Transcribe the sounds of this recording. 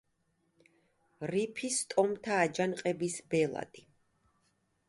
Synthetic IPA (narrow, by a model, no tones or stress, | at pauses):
ɾipʰist̪ʼɔmt̪ʰaːd͡ʒanqʼɛbisbɛlˠa̰d̪̥ʼi